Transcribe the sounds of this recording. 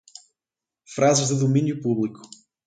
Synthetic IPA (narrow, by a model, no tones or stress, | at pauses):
fɾazɨʒðɨðuminjupuβlˠiku̥